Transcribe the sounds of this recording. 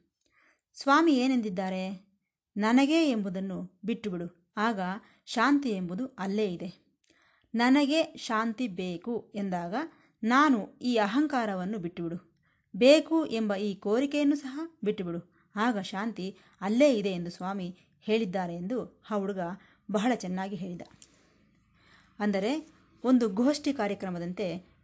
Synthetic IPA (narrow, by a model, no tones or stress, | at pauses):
sʋaːmieːnend̪id̪ːaːɾe̞ | nɐnɐɡe̞embud̪ɐnːubiʈːubiɽu | aːɡɐ | ʃaːnt̪ie̞mbud̪uɐlːe̞ːid̪e̞ | nɐnɐɡe̞ʃaːnt̪ibe̞ːkue̞nd̪aːɡɐ | naːnuiːɐɦɐŋkaːɾɐʋɐnːubiʈːubiɽu | beːkuʔe̞mbɐiːko̞ːɾikɛjɐnːusɐɦɐbiʈːubiɽu | aːɡɐʃaːnt̪i | ɐlːe̞ːid̪e̞ːnd̪usʋaːmi | he̞ːɭid̪ːaːɾe̞ːnd̪uhaːuɽuɡɐ | bɐɦɐɭɐt͡ʃɛnːaːɡiɦe̞ːɭid̪ɐ | ɐnd̪ɐɾe̞ | o̞nd̪uɡoːʂʈikaːɾjɐkɾɐmɐd̪ɐnt̪e̞